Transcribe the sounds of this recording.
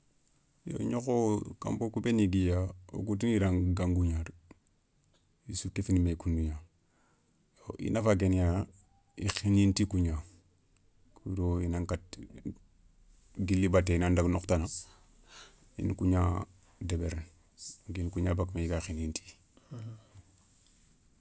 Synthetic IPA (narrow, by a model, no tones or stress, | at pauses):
jo̰ɲokoka̰mbokubeniɡijao̰ɡutiniɾaŋɡaŋɡuɲaɾ | isukefinimekunduɲa | joʔḭnafaɡ̬enja | ḭxinintikuɲa | kudoinaŋkat | ɡilːibateinandaɡnoktana | ḭnkuɲa | debeɾn | ɡinkuɲabakmeiɡaxinintʰi̥